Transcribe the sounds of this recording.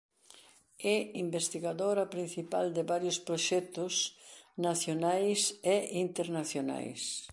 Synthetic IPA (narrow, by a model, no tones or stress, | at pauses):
ɛimbest̪iɣaðoɾɐpɾin̟θipa̰ld̪ɪβaɾjʊspɾoʃɛt̪ʊsnaθjonajseʔint̪eɾnaθjona̰js